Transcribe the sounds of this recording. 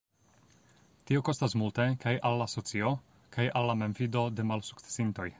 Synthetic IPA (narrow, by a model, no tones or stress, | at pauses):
tio̞ko̞stasmulte̞kajʔalːaso̞t͡sio̞ | kajalːame̞mfido̞de̞malsu̥kt͡se̥sinto̞j